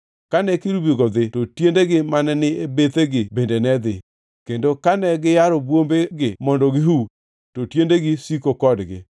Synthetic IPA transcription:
kanɛkiɾubiɡɔd̪ɪtotjendeɡɪmanɛnɪebet̪eɡɪbendenɛd̪ɪ | kendokanɛɡɪjaɾɔbwombeɡɪmɔndɔɡɪɦu | totjendeɡɪsikokɔdɡɪ̰

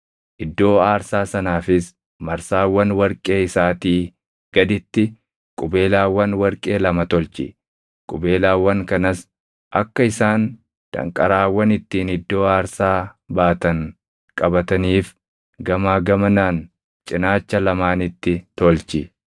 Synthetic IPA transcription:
ʔɪd̪ːo̞ːaːɾsaːsɐnaːfɪs | mɐɾsaːwːɐnwɐɾkʼe̞ːɪsaːt̪iː | ɡ̥ɐd̪ɪt̪ːɪ | kʼʊbe̞ːlaːwːɐnwɐɾkʼe̞ːlɐmɐt̪ɔlt͡ʃɪ̰ | kʼʊbe̞ːlaːwːɐŋkɐnɐs | ʔɐkːɐɪsaːn | d̪̥ɐ̰ŋkʼɐɾaːwːɐnɪt̪ːiːnɪd̪ːo̞ːaːɾsaːbaːt̪ɐŋ | kʼɐbɐt̪ɐniːf | ɡɐmaːɡɐmɐnaːn | t͡ʃʼɪnaːt͡ʃːɐlɐmaːnɪt̪ːɪt̪ɔlt͡ʃɪ

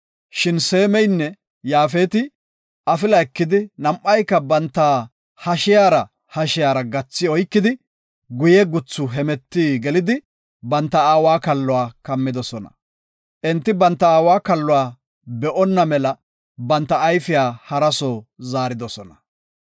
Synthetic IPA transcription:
ʃɪnseːmɛjnːɛ | jaːfeːt̪ɪ | ʔɐfɪlɐɛkːɪd̪ɪnɐmʔɐjkːɐbɐnt̪ːaː | hɐʃɪjaːɾɐ | hɐʃɪjaːɾɐɡɐt͡sːɪɔjkːɪd̪ɪ | ɡʊjɛɡʊt͡sːʊɦɛmɛt̪ːiːɡɛlɪd̪ɪ | bɐnt̪ːɐaːwaːkɐlːɔwaːkɐmːɪd̪ɔsɔnɐ̰ | ʔɛnt̪ːɪbɐnt̪ːɐaːwaːkɐlːʊwaː | bɛʔɔnːɐmɛlɐ | bɐnt̪ːɐːjfɪjaːhɐɾɐsoːzaːɾɪd̪ɔsɔnɐ

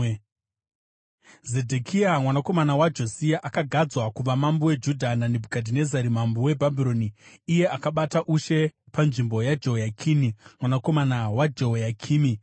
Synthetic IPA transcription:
ze̞dʱekʰiamwanako̞manawad͡ʒo̞siaʔakaɡʱad͡zwakuʋamambowe̞d͡ʒudʱananebʱukadʱine̞zaɾimambowe̞bʱabʱiɾo̞niːje̞akaɓataʔuʃe̞panʐimbo̞jad͡ʒojakʰinimwanako̞manawad͡ʒoɦjakʰiːmi

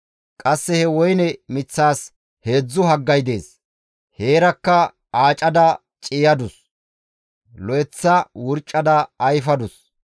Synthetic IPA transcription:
kʼɐsːɛhɛwɔjnɛmɪt͡sːaːs | he̞ːd͡zːʊɦɐɡːɐjd̪e̞ːs | he̞ːɾɐkːɐ | aːt͡ʃʼɐd̪ɐ | t͡ʃʼɪjɐd̪ʊs | lɔjɛt͡sːɐwʊɾt͡ʃʼːɐd̪ɐːjfɐd̪ʊs

